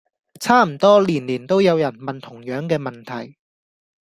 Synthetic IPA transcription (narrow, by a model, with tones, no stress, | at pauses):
t͡sʰaː˥m̩˨˩t̪ɔː˥liː˨˩nliː˨˩nt̪o˥wjɐ˨˧wjɐ˨˩nmɐ˨nt̪ʰʊ˨˩ŋjœː˨˥ŋkɛː˧mɐ˨nt̪ʰɐ˨˩j